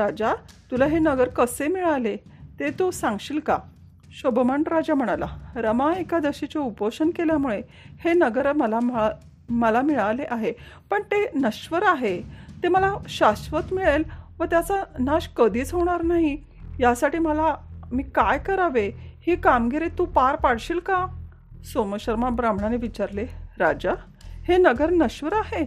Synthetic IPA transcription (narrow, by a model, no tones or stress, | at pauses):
ɾad͡ʑat̪ulaɦenəɡəɾkəsemiɭalet̪et̪osãŋɡɕiːlka | ɕobmaɳʈɾad͡ʑam̤əɽ̃ala̰ɾəmaekad̪əɕit͡ɕeupəɕənkeljamuɭe | henəɡəɾməlamə | məlamiɭaleʔaɦe | pəɳt̪enəɕʋəɾaɦet̪eməlaɕasʋət̪miɭelʋət̪jat͡sanaɕkəd̪ʱiːt͡səʋɳaɾnaɦi | jasaʈiːməlamiːkajkəɾaʋehikamɡeɾet̪ũpaɾpaɽɕiːlka | soməɕəɾmabɾam̤ɳaneʋit͡ɕaɾleɾad͡ʑa | henəɡəɾnəɕʋəɾaɦe